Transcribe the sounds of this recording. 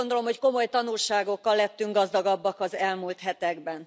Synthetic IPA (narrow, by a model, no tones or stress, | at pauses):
ond̪o̞lomhocko̞mo̞jt̪ɒnulʃaːɡo̞kːɒlːɛt̪ːyŋɡɒzd̪ɒɡɒbːɒkɒzɛlmult̪hɛt̪ɛɡbɛn